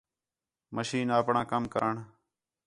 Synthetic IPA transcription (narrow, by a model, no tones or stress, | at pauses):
məʃiːnaːpɳãːkəmkə̰ɾəɳ